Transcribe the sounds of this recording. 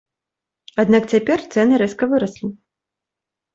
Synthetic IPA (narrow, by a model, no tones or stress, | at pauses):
ad̪nak̚t͡sʲapʲɛrt̪sɛnɨɾɛskɐvɨɾɐslʲi